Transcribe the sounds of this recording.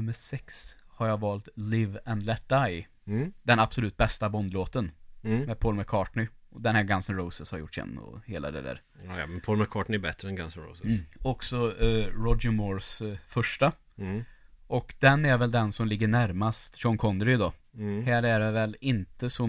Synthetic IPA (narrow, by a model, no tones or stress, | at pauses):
ɵməʂɛkshaɾjavɑːlt̪lɪvɛnd̪lɛt̪̚d̪aj | d̪̥ɛnabsɔlʉ̟ːt̪̚bɛst̪abɔnd̪loːt̪ənmɛːd̪pʰɔlməkʰɑːʈɳɪɔd̪ɛnhæːɾɡansənɾɔʊsəshaɾjʊ̰ʈːɛ̰nːɔ̰heːla̰d̪ɛ̰d̪æ̰ːɾ̰ | mɛnpʰɔlməkʰɑːʈɳɪɛɾbɛt̪ɾəɛnɡansɔnɾɔ̰ʊsəːɔksɔɾɔdəmɔːɾsfœʂʈa | ʔɔkd̪̥ɛnæɾvɛld̪ɛnsɔmlɪɡːəɳæɾmast̪ɕɔŋkʰɔnd̪ɾɪd̪ɔhæːɾæɖɛvɛlɪnt̪əsɔ